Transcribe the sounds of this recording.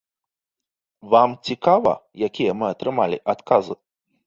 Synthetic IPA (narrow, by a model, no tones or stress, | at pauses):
vamt͡sʲikavɐ̰jakʲijɐmɨat̪ɾɨmalʲḭʔat̪kazɨ